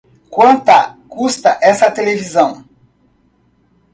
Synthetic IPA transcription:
kwɐ̃nt̪ɐkust̪ɐʔɛsɐt̪elevizɐ̃w̃

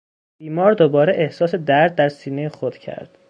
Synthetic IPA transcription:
b̥iːmɒːɾd̪obɒːɾeʔehsɒːse̞d̪æɾd̪̚ːæɾsiːnejexod̪̥cʰæ̰ɾd̪̥

